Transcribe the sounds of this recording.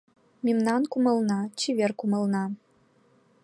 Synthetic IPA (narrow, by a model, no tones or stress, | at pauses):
mʲimnɑnkumɤ̆lˠnɑt͡ɕiβʲerkumɤ̆lˠnɑ